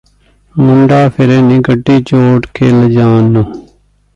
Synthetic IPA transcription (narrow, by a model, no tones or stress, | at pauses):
mʊɳɖaːpʰɪɾeːnĩːɡəʈːiːt͡ʃoːʈkʰeːld͡ʒaːnːuː